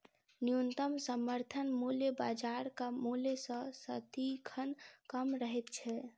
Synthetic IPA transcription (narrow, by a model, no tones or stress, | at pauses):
nijunt̪əmsəməɾt̪ʰənmuleba̰ːd͡ʒaːɾkamulesə̃sət̪ikʰənkəmɾəɦɛt̪̚t͡ʃʰɛ